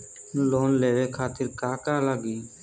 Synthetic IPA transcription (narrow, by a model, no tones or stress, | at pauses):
loːnleːʋeːkʰaːt̪ɪɾkaːkaːləɡiː